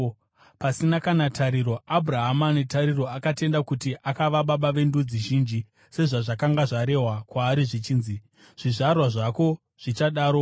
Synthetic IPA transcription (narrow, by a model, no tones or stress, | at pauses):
pasinakanatʰaɾiɾo̞abʱuraɦamanetaɾiro̞akate̞ndakutiʔakaʋaɓaɓaʋe̞ndud͡ziʒiːnd͡ʒi | se̞ʐaʐakaŋɡaʐaɾe̞ɦwakwaːɾiʐit͡ʃiːnzi | ʐ̥iʐarwaʐako̞ | ʐ̥it͡ʃaɗaːɾo̞